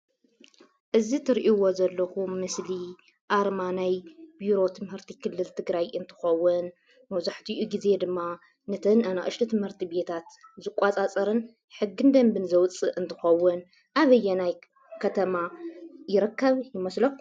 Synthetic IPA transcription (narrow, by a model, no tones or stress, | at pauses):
ʔɨzit̪ʰɨɾʔiwo̞zɐlːɐxumɨsli | ʔaɾmanajbiɾo̞t̪ʰɨmhɨɾt̪ʰikʰɨlːɨlt̪ʰɨɡɾajɨnt̪ʰɨ̥xɐwːʊn | mɐwzaħt̪ʰiʔuɡize̞d̪ɨmːa | nɐt̪ʰɐnana̰ʔɨʃt̪ʰit̪ʰɨmhɨɾt̪ʰibe̞t̪ʰat̪zɨkʷʼat͡sʼat͡sʼɐɾɨn | ħɨɡːɨnd̪ɐmbɨnzɐwt͡sʼɨʔɨnt̪ʰɨ̥xɐwːʊn | ʔaβɐjːɛnaj | kʰɐt̪ʰɐmajɪɾɨkːɐβjɪmɐslɐx